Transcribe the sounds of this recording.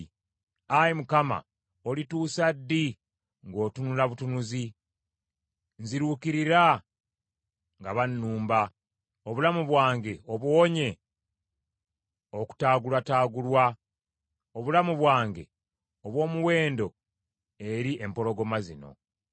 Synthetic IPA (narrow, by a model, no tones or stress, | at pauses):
ajimukama̰ | olituːsadːi | ŋɡo̞ːtunulaβutunuzi | nziɾuːkiɾiɾa | ŋɡaβanːuːmba | oβulamuβwaːŋɡe̞oβwoɲe̞ | o̞ku̥taːɡulwataːɡulwa | oβulamuβwaːŋɡe̞̰ | oβwo̞ːmuwe̞ːndo̞ | e̞ɾiʔe̞mpo̞lo̞ɡo̞mazino̞̰